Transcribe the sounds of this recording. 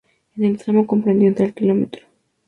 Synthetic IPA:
enelst̪ɾamoko̞mpɾend̪jent̪ɾelkilo̞met̪ɾo

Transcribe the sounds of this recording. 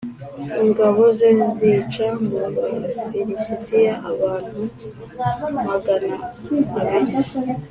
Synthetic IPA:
iŋɡaβo̞zenzit͡ʃamuβaβiɾisitijaʔaβaːn̥hu | maɡanakaβiɾi

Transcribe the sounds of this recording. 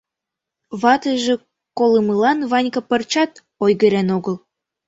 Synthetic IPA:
βɑt̪əʒĕ | koləməlɑnβɑnʲkɤ̆pə̆rt͡ɕɑt̪ | ojɣə̆ɾenoɣəl

